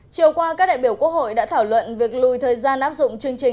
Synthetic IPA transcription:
t͡ɕi˨˩əwkwaː˧kaː˦˥k̚ɗa̰ː˧˨jɓi˧˩əwku˦˥ək̚ho̰˧˨jɗa̰ː˧˥t̪ʰaː˧˩wlwə̰˧˨nvi˨˩ək̚lu˨˩jt̪ʰəː˨˩jzaː˧nʔaː˦˥p̚zʊ̰˧˨ŋ͡mt͡ɕɨ˧əŋt͡ɕï˨˩

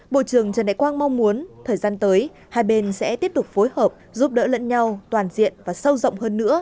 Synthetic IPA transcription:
ɓo̰˧˨t͡ɕɨ˨˩əŋt͡ɕə˨˩nɗa̰˧˨jkwaː˧nma˧wŋ͡mmu˨˦ənt̪ʰəː˨˩jzaː˧nt̪əː˨˦j | haː˧jɓe˧nsɛ̰˧˥t̪i˦˥əp̚t̪ʊ˨˩k͡p̚fo˨˦jhəː˨˩p̚zu˦˥p̚ɗə̰ː˧˥lə̰˧˥nɲa˧wt̪waː˨˩nzḭ˧˨ənvaː˨˩sə˧wzə̰˧˨ŋ͡mhəː˧nːɨ̰˧˥ə

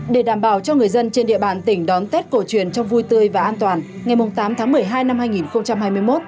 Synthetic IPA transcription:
ɗe˧˩ɗaː˧˩mɓaː˧˩wt͡ɕɔ˧ŋɨ˨˩əjzə˧nt͡ɕe˧nɗḭ˧˨əɓaː˧˩nt̪ï˧˩ŋ̟ɗɔ˨˦nt̪e˦˥t̚ko˧˩t͡ɕwḭ˧˩ənt͡ɕɔ˧wŋ͡mvu˧jt̪ɨ˧əjvaː˨˩ʔaː˧nt̪waː˨˩n | ŋa˨˩jmʊ˨˩ŋ͡mt̪aː˨˦mt̪ʰaː˨˦ŋmɨ˨˩əjɦaː˧jna˧mhaː˧jŋi˨˩nxə˧wŋ͡mt͡ɕa˧mɦaː˧jmɨ˧əjmo˦˥t̚

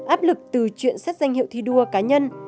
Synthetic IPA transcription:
ʔaː˦˥p̚lɨ˨˩k̚t̪ɨ˨˩t͡ɕwḭ˧˨ənsɛ˦˥t̚za˧jŋ̟hḭ˧˨əwt̪ʰi˧ɗu˧əkaː˨˦ɲə˧n

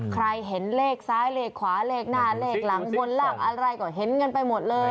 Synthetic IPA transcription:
kʰɾa˧jɦe˩˦nleː˥˩k̚saː˦˥jleː˥˩kʰwaː˩˦˥leː˥˩k̚naː˥˩leː˥˩k̚la˩˦ŋwo˧nlaː˥˩k̚ʔa˧ɾa˧jkɔː˧˩ɦe˩˦nŋɤ˧npa˧jmo˨˩t̪̚lɤː˧

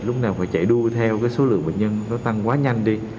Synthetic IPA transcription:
lʊ˦˥k͡p̚naː˨˩wfaː˧˩jt͡ɕa̰˧˩jɗu˧ət̪ʰɛ˧wkaː˨˦jso˨˦lɨ̰˧˨əŋɓə̰˧˨ɲə˧nnɔ˨˦t̪a˧ŋkwaː˨˦ɲa˧jŋ̟ɗi˧

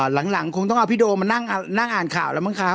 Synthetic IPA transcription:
la˩˦ŋla˩˦ŋkʰo˧ŋt̪ɔ˥˩ʔa˧wpʰiː˦˥˩doː˧ma˧na˥˩ŋʔa˧na˥˩ŋʔaː˨˩nkʰa̰ː˨˩wlɛː˦˥wma˥˩kʰa˦˥p

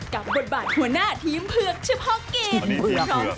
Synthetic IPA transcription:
ka˨˩p̚bo˨˩t̪̚baː˨˩t̪̚hu˩˦ɐnaː˥˩t̪ʰiː˦˥mpʰɯ˥˩əŋt͡ɕʰɯ˥˩phɔ˥˩ŋkeː˧kʰɔ˧˩

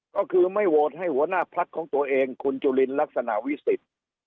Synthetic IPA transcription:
kɔː˧˩kʰɯː˧ma˧˩jwoː˧˩t̪̚ha˧˥˩jhu˧˦ɐnaː˧˥˩pʰa˧˦˥t̪̚kʰɔː˨˦ŋt̪u˧ɐʔeː˧ŋkʰo˧nt͡ɕu˧˩le˧nla˦˧˥k̚sa˧na˧˨ʔwi˦˥˩si˨˩t̪̚

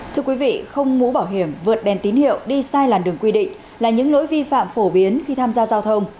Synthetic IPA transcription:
t̪ʰɨ˧əkwi˨˦vḭ˧˨xə˧wŋ͡mmu˨˧˦ɓaː˧˩wɦi˧˩əmvɨ˨˩ət̚ɗɛ˨˩nt̪i˨˦nhḭ˧˨əwɗi˧saː˧jlaː˨˩nɗɨ˨˩əŋkwi˧ɗḭ˧˨ŋ̟ | laː˨˩ɲɨ̰˧˥ŋlo̰˧˥jvi˧fa̰ː˧˨mfo˧˩ɓi˨˦ənxi˧t̪ʰaː˧mzaː˧zaː˧wt̪ʰə˧wŋ͡m

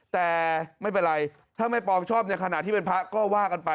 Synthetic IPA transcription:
t̪ɛː˨˩ma˥˩jp̬e˧nɾa˧j | t̪ʰaː˥˩ma˥˩jpɔː˧ŋt͡ɕʰɔː˥˩p̚ni˥˩ɐkʰa˧na˨˩t̪ʰːiː˥˩pe˧npʰa˦˥kɔː˥˩waː˥˩ka˧npa˧

